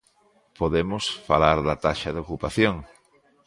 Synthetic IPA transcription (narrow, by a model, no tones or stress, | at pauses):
poðemʊsfalaɾðɐt̪aʃɐðokupaθjoŋ